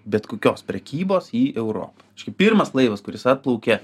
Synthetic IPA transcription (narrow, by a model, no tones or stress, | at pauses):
bʲɛt̪koːkʲoːspʲɾʲɛkʲiːboːsiːɛʊɾo̰ːpɐɛʃʲkʲɛpʲirmɐslˠɐɪʋɐskʊɾʲɪsɐt̪̚plˠɐʊkʲɛ